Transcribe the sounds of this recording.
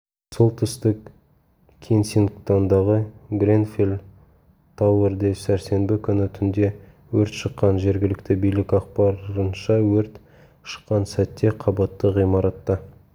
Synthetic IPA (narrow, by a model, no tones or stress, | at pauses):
so̞lˠt̪ʰʏst̪ɪk | kʲʰensinkt̪and̪ɑʁəɡre̞nfel | t̪ʰɑwəɾd̪esæɾse̞nbɪkʲʰʏnɪt̪ʰʏnd̪e̞ | wɵɾt̪ʃəqːɑnʒe̞ɾɡʲɪlɪkt̪ɪbijlɪkʲɑqpɑɾənʃɑwɵɾt̪ | ʃə̥qːɑnsæt̪ːe̞qʰɑbɑt̪ːəʁijmɑɾɑt̪ːɑ